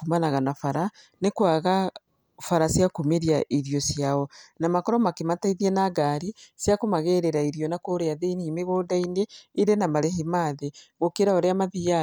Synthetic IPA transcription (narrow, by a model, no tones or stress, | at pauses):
umanaɣanafaɾa | nekwaɣa | faɾasjakumeɾiaʔiɾijɔsjaɔnamakɔɾɔmakemataiðiɛnaɡaɾisjakomaɣɛɾɛɾaiɾijɔnakoɾeaðeinimeɣodaineiɾenamaɾeɦemaːðeɣokeɾaoɾeamaðia